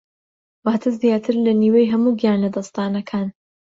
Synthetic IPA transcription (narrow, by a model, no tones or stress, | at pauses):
waːt̪ʰɨzjaːt̪ʰɨɾlɐniːwejɦɐmuɡjaːnlɐd̪ɐst̪aːnɐkʰaːn